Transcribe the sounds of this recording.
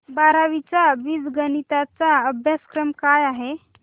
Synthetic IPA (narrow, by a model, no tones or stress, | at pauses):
baɾaʋit͡saʋiːsɡənit̪at͡saəbʱjaskɾəmkajaɦe